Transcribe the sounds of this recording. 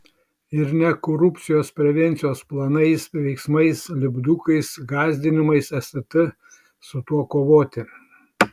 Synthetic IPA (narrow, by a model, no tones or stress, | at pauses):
ɪɾnʲɛkoːɾʊpʲt̪sʲɪjoːspʲɾʲɛʋʲɛnʲt̪sʲɪjoːsplˠɐnɐɪsʋʲɛɪksmɐɪslʲɪbd̪ukɐɪsɡɑːzʲd̪ʲɪnʲɪmɐɪsɛst̪ɐt̪ɐ | sʊt̪uɔkoːʋoːt̪ʲɪ